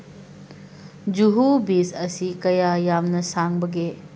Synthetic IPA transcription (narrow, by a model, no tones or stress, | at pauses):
d͡ʒuɦubisɐsikɐjajamnɐsaŋbɐɡe